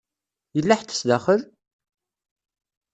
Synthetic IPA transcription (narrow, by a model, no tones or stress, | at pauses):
jəlːaħt̪ːə̥sd̪æχəl